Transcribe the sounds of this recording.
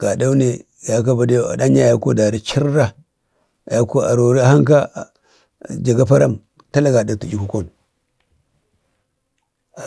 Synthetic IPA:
ɡ̥a˨da˦u˦ne˨ | ja˨ka˦ba˨da˦ja̰˨da˦ɲa˦˨ja˦ko˦da˨ɾi˦t͡ʃi˦ɾɾa˦˨ | ja˨ko˦a̰˨ɾo˨ɾi˦a˨ha˦ŋka˦˨ | d͡ʒa˨ɡa˦pa˦ɾa̰˦˨m | ta˦la˦ɡa˨da˨tu˨d͡ʒi˦ku˦ko˦˨n˨

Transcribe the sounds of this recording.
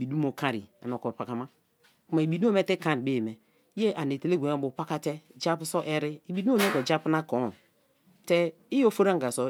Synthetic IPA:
bi˨du˦mo˨kã˦ɾḭ˨a̰˨no˨ko˨pa˨ka˨ma˦ | ku˦ma˨i˨bi˨du˦o˦me˦te˦kã˦˨ɾbe˦˨me˨ | i˦e˦ʔa˨ne˨te˨le˦ɡʷe˨˦a˦bo˨pa˦ka˦tɛ˦d͡ʒa˦pu˦so˦ʔɛ˦ɾɪ˦i˨bi˨du˦o˦m˦e˦ko˨d͡ʒa˦pu˦na˦ko˨˦˨ | te˦ | i˦jo˦fo˦ɾa˦ŋɡa˨so˨

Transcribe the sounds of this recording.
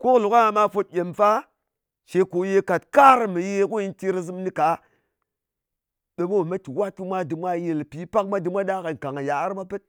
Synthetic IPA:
ko˦klu˨ka˦a˨ma˦fo˦t̚jʲe˨mfa˦ | ʃe˨ko˨je˦ka˨tka˦ɾmi˨je˦ku˦i˦nti˦ɾa˦zɨ˦mni˦ka˨ | ɗa˨mo˦˨ma˦ti˨wa˦t̚ki˦mʷa˦di˨mʷa˦je˨lpi˨˦pa˦k̚ma˦di˨mʷa˦da˦ka˨ŋ˨ka˨ŋa˨ja˨a˦ɾma˦pə˦t̚

